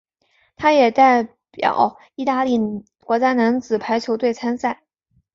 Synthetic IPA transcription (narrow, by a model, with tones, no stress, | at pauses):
t̪ʰa˥jɛ˨˩t̪a˥˩ɪ | pjɑ̰˨˩˦ʊ | i˥˧t̪a˥˧li˥˩ | kwɔ˧˥t͡ɕja˥na˧˥nt͡sɹ̩˨˩pʰa˧˥ɪt͡ɕʰjo˧˥ʊt̪we˥˩ɪt͡sʰa˥nsa˥˩ɪ